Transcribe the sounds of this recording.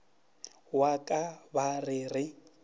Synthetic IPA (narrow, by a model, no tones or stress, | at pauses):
wakʼabarɪrɪ